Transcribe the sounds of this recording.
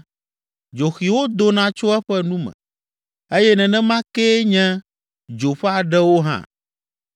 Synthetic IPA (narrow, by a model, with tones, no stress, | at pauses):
d͡ʒo˨xi˨wo˦d̪o˦nã˦t͡ʃo˦ɛ˦ɸɛ˦nũ˦mɛ̰̃˨ | e˦jɛ˦nɛ̃˨nɛ̃˦mã˦ke˦ɲɛ̃˦ | d͡ʒo˨ɸɛ˦a˨ɖɛ˦wo˦ɦã̰˦